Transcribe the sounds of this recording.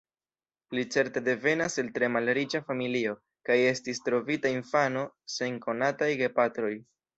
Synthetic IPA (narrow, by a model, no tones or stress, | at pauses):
lit͡se̞ɾte̞de̞ve̞nase̞ltɾe̞malɾit͡ʃafamilio̞ | kaje̞stistɾo̞vitainfano̞ | se̞ŋko̞natajɡe̞patɾo̞j